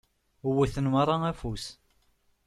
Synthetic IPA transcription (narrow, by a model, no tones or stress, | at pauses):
uwæθənmaɾˤɑæfus